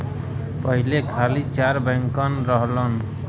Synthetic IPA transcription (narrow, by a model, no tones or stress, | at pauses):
pəɦilekʰalit͡ʃaɾbə̃ŋkənɾəɦlən